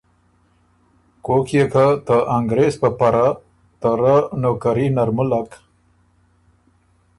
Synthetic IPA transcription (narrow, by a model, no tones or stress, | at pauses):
kokʰjekat̪əʔaŋɡɾespəpaɾa | t̪əɾanokaɾinaɾmulak